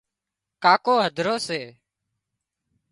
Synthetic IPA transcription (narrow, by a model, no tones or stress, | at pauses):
kaːkoːɦəd̪ʱɾoːseː